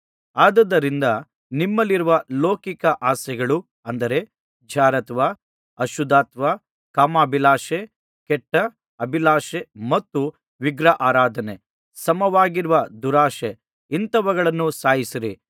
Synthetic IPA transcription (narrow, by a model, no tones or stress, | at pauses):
aːd̪ɐd̪ːɐɾind̪ɐ | nimːɐlːiɾuʋɐloːkikɐʔaːsɛɡɐɭu | ɐnd̪ɐɾe̞ | d͡ʒʱaːɾɐt̪ʋa | ɐʃud̪aːt̪ʋa | kaːmaːbʱilaːʃe | kɛʈːɐ | ɐbʱilaːʃemɐt̪ːu | ʋiɡɾɐʔaːɾaːd̪ʱɐne | sɐmɐʋaːɡiɾuʋɐd̪uɾaːʃe | int̪ɐʋɐɡɐɭɐnːusaːjisiɾi